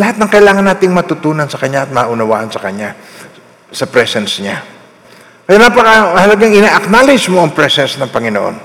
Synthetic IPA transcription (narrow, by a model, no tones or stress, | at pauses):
lɐhat̪̚nɐŋkɐʔɪlaːŋɐnaːt̪ɪŋmɐt̪ʊt̪uːnɐnsɐkɐɲɲaʔɐt̪̚mɐːʔʊnɐwa̰ːʔɐnsɐkɐɲa | sɐpɾɛsɛnsɲa | kɐjanapɐkɐhɐlɐɡaŋɪnaːʔɐk̚nalɪd͡ʒmoʔɐŋpɹɛsɛnsnɐŋpɐŋɪno̰ʔo̰n